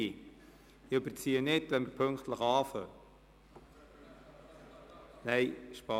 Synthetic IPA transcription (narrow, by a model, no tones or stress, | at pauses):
i | ɪɵbəɾt͡siːənɪtʋɛnməɾpʰɵŋkt̪ləχɑːfə̰ | nɛɪʃpɑ